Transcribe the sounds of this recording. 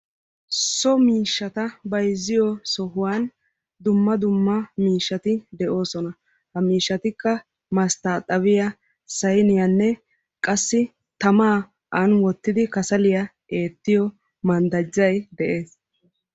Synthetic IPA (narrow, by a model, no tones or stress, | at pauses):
sɔmiːʃːɐt̪ɐbɐjzːɪjɔsɔɦʊwaːn | d̪ʊmːɐd̪ʊmːɐmiːʃːɐt̪ɪd̪ɛʔo̞ːsɔnɐ | hɐmiːʃːɐt̪ɪkːɐ | mɐst̪aːt̪ʼɐβɪjɐ | sɐjnɪjɐnːɛ | kʼɐsːɪ | t̪ɐmaː | ʔɐnwɔt̪ːɪd̪ɪkɐsɐlɪjɐ | e̞ːt̪ːɪjɔ | mɐnd̪ɐd͡ʒːɐjd̪ɛʔe̞ːs